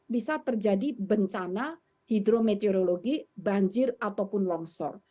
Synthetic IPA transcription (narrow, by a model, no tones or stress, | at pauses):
bisat̪ərd͡ʒadibəɲt͡ʃana | hid̪ɾomet̪eoɾoloɡibaɲd͡ʒɪrat̪awpʊnlɔŋsɔ̰r